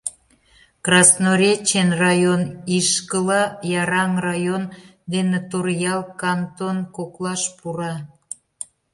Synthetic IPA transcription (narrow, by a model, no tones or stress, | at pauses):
krɑsnoɾʲet͡ɕenrɑjoniʃkəlɑjɑɾɑŋrɑjon | d̪enet̪orjɑlkɑnt̪onkoklɑʃpuɾɑ